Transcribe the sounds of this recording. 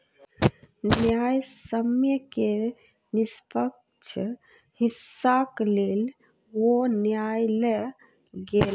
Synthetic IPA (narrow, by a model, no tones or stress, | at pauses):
njajsəmjəke | nispək̚ | t͡ʃʰə | hisːaklel | wonjajle | ɡel